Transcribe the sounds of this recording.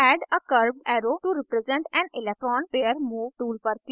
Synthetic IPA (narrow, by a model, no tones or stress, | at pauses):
ɛːɖəkəɾbɛːɾoːʈuɾɪpɾɛzɛ̃ɳʈɛ̃nɪlɛk̚ʈɾɔ̃ːnpeːəɾmuːʋʈuːlpəɾt̪